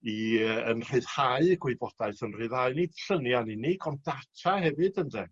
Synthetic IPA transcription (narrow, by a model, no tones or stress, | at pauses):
iəənr̥ɨð̥haɨɡwebɔd̥aɨθənr̥ɨðaɨnid̥ɬənjanɪnɪɡɔndatʰahɛvɨdənðɛ